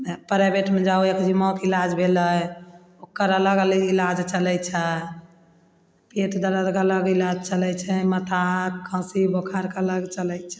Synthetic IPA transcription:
pəɾebeʈmẽd͡ʒauekd͡ʒimɔkilad͡ʒbʱeləj | okːəɾələɡələɡilad͡ʒt͡ʃəlɛt͡ʃʰɛ | peʈd̪əɾəd̪kələɡilad͡ʒt͡ʃəlɛt͡ʃʰɛmət̪ʰakʰə̃sibokʰaɾkeələɡt͡ʃəlɛjt͡ʃʰɛ̥

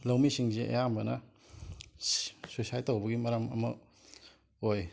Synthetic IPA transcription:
lawmisiŋzeʔḛjambɐnɐ | sosajtɐwbɐɡimɐɾɐmɐ̰mɐ̰ | oj

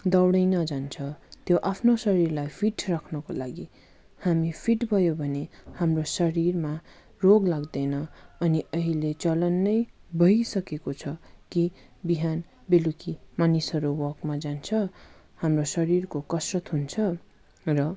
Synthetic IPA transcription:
d̪ʌwɽʌjnʌd͡zant͡sʰʌt̪joʔapʰnosʌɾirlajpʰiʈrakʰnʌkolaɡi | hamipʰiʈbʱʌjobʱʌnehamrosʌɾirma | roɡlaɡd̪ʌnʌʌniʌɦilet͡sʌlʌnːʌjbʌjsʌkekot͡sʰʌkibiɦan | belukimanisʌɾuwʌrkmad͡zant͡sʰʌ | hamrosʌɾirkokʌsrʌt̪ɦunt͡sʰʌ | rʌ

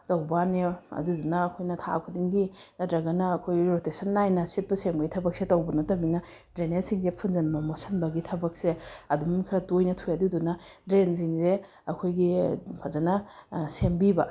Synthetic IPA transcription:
tɐwbaneɐ̰dudunɐːkʰojnɐtʰa̰kʰudiŋɡinɐtɾɐɡɐnɐːkʰojɡiɾotesɐnːajnɐsit̚bɐsembɐɡitʰɐbɐk̚setɐwbɐnɐtɐbinɐ | dɾenesiŋzepʰunzɐnbɐmosɐnbɐɡitʰɐbɐk̚seɐdumkʰɾɐtojnɐtʰujadudunɐdɾens̬iŋze | ɐkʰojɡipʰɐzɐnɐsembibɐ

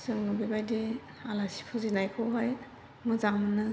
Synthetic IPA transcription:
sɯŋnɯbibajdi | alasi̥pʰɯzinajkʰɯwɦaj | mɯzaŋmɯnɯ

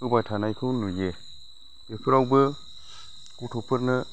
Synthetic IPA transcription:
ɯbajtʰanajkʰɯnuje | epʰɯɾawbə | kutʰɔpʰɯɾnɯ

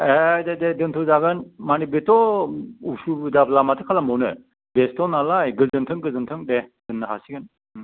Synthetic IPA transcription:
edededɯntʰɯwzaɡɯnmanibetɔusudablamatʰɯkʰalamɯwnɯ | bestɔnalajɡɯlzɯntʰɯŋɡɯlzɯntʰɯŋded̥ɯnːɯɦasiɡɯn

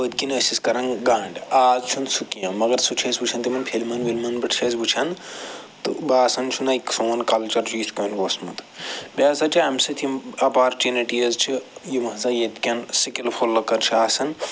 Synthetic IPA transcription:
ət̪̚kinəːsiskɐɾɐnɡaːɳɖaːzt͡ʃʰunsukijɐ̃mɐɡɐɾsut͡ʃʰɐsʲbut͡ʃʰɐnt̪imɐnpʰelmɐnʋilmɐnbɐʈʰt͡ʃʰesbut͡ʃʰɐnt̪ɨ̰baːsɐnt͡ʃʰunaiksoːnkɐlt͡ʃɐɾd͡ʒʰuːskoːnʋoːsmɐ̰t̪bʲaːzɐt͡ʃiamsit̪ʰimɐpaːɾt͡ʃiniʈijɐzt͡ʃʰijimɐɦzajet̪kʲɐnsikilpʰolːɐkɐɾt͡ʃʰaːsɐn

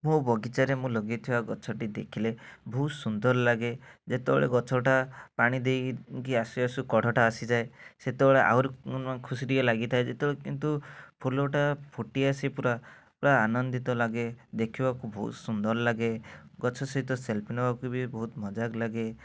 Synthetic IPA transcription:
mũbɔɡit͡ʃaɾemũlɔɡit̪ʰibaɡɔt͡ʃʰɔʈid̪ekʰilebʱɔɦut̪sund̪ɔɾlaɡed͡ʒet̪eɔ̰ɭḛɡɔt͡ʃʰɔʈapaɽ̃id̪ejkiasiasukɔɽ̤ʱɔʈaːsid͡ʒaeset̪eɔɭeʔa̰wɾikʰusiɾiɔlaɡit̪ʰaed͡ʒet̪eɔɭekint̪upʰuloʈapʰuʈiasipuɾapɽaːnɔnd̪it̪ɔlaɡed̪ekʰibakubɔɦṵt̪sund̪ɔɾlaɡeɡɔt͡ʃʰɔsɔɦit̪ɔselpinɔbakubibɔɦut̪mɔd͡ʒaɡlaɡe

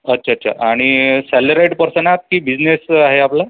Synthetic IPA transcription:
ətːɕʰatːɕʰa̰ʔaɽ̃isæləɾajʈpəɾsənat̪̚kiːbid͡znesaɦeapla

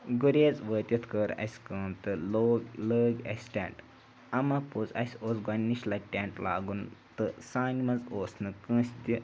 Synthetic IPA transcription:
ɡuɾʲeːzʋəːt̪ʲjɐt̪ʰkəːɾɐ̰sʲkəːmt̪ɨloːɡləːɡɐ̰sʲʈʲḛ̃ɳʈ | ɐmɐput͡sɐ̰sʲoːsɡanːiʃlɐʈʲeːɳʈla̰ːɡunt̪ɨsaːnimɐzoːsnɨkə̃ːsʲt̪ʲi

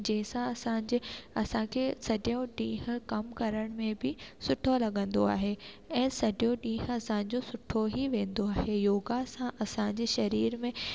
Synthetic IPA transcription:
d͡ʑɐ̃ɦɪ̃sãɐsãːɲd͡ʑɪɐsãkʰeːsɐɗjõɗĩːɦʊ̆kɐmkɐɾəɽ̃mẽbɪsʊʈʰolɐɠə̃nd̪oaːɦe | ɛ̃ːsɐʄjõɗĩːɦɐsãɪ̃ɲ̆d͡ʑosʊʈʰoɦiʋẽːnd̪oaːɦejoːɡasãʔɐsãɲ̆d͡ʑeʃɐɾiːɾmẽ

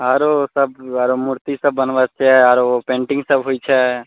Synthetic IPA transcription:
əɾosəbaɾomuɾt̪isəbːənʋat͡ʃʰɛaɾopẽɳʈɪ̃ŋɡsəbɦojt͡ʃʰɛ

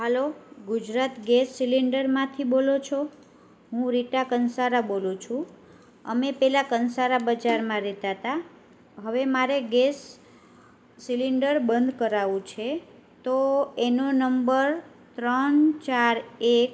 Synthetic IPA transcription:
ɦəloɡud͡ʒɾat̪ɡesːiliɳɖəɾmãt̪ʰibolot͡ʃʰo | ɦũɾiʈakənsaɾabolũt͡ʃʰũ | ə̰mepɛlakənsaɾabəd͡ʒaɾmãɾɛt̪at̪a | ɦəʋemaɾeɡes | iliɳɖəɾbənd̪kəɾaʋũt͡ʃʰe | t̪oenonəmbəɾ | t̪ɾənt͡ʃaɾek

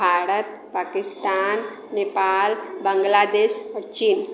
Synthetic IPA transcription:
aːɾət̪̚ | paːkɪst̪aːnː | eːpaːlbə̃ŋɡlaːd̪eːʃɾt͡ʃiːn

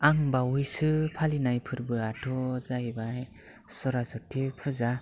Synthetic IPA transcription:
aŋbaujsɯpʰalinajpʰɯɾbɯatʰɔzajbaj | sɔɾazɔtʰːipʰɯza

